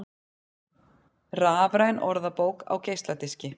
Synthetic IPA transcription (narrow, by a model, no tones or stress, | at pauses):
raːvɾajnɔɾðapoːwka̰wcejst̪lat̪ɪscɪ